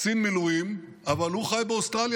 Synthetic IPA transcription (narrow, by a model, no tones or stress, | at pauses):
sinmiluim | ʔavalhuχajbeost̪ʁalj